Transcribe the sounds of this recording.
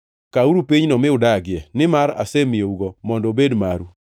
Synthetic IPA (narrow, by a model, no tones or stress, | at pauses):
kauɾupiɲnɔmɪʊdaɡɪjɛnɪmaɾa̰semjeuɡɔmɔndɔbedmaɾu